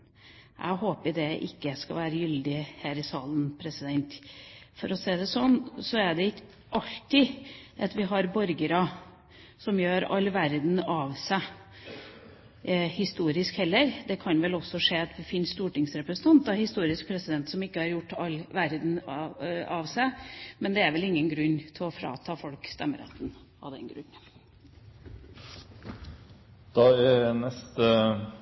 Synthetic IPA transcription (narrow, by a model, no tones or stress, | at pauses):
ʔæ̰ɪɦoːpəd̪ɛʔɪ̰kːəskɑ̰ʋæːɾəjʏld̪ɪhæːɾɪsɑːlənpʰɾɛsɪd̪ɛnt̪fɔɾɔseːd̪ɛsɔnːsɔæɖɛɪ | ʔɑlt̪ɪʔɑt̪ʋɪɦɑɾbɔɾɡəɾɑ | sɔmjøːɾɑ̰lːʋæɾd̪n̩ɑʋsæ | hɪst̪uːɾɪskhɛlːəɾd̪ɛkʰɑnʋɛlɔsːɔʂeːt̪ɛfiːnst̪uːʈɪŋsɾɛpɾɛsən̩t̪ʰɑnt̪̚d̪ɑhɪst̪uːɾɪsk̚pʰɾɛsɪd̪ɛnt̪sɔmɪkːəhɑɾjʊʈːɑlːʋæɾd̪n̩ | ɑʋsæɪmɛnd̪ɛæɾʋɛlɪŋːənɡɾʉnːt̪ʰɪlɔfɾɑ̰ːt̪ʰɑːfɔlkst̪ɛmːə̰ɾɛ̰t̪ːən | ɑ̰d̪ɛ̰nɡɾʉ̰nː | d̪̥ɑːɪnɛst̪ə